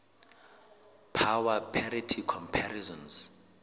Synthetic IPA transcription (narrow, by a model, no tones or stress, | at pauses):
pʰawapʰɛɾitʰikʰɔmpʰarizɔ̃ns